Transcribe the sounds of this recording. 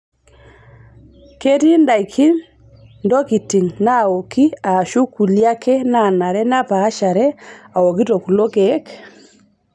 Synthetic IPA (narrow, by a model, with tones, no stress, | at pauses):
ke˦ti˦nda˨jkʰi˦n | ndo˦ki˨ti˨ŋna˦˨o˨ki˦a˨ʃu˦ku˨lja˦kɛ˦na˦˨na˨ɾɛ˦na˦paː˨˦ʃa˨ɾɛ˦a˨wo˨ki˦to˨ku˨lo˦kɛ˨˦k